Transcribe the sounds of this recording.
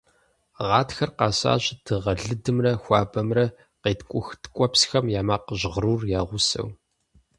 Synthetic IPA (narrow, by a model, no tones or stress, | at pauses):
ʁɑːtxɐrqɑːɕa̰ːɕʼd̥ɨʁɐɮɨdɨmrɐxʷɑːbɐmrɐ | qeːtkʷʼʊxtkʷʼɔpsxɐmjaːmaːqəʑʁruːrjaːʁʷʊsɐ̰w